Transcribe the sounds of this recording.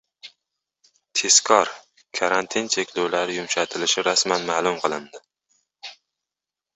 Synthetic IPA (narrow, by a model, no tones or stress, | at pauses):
t̪ʰe̞skʰɒɾ | kʰaɾant̪ʰɪnt͡ʃʰe̞kʲlolaɾɪjʊmʃat̪ʰɪlɪʃɪɾasmanmaːlˠʊmqʰɨlˠɪnd̪ɪ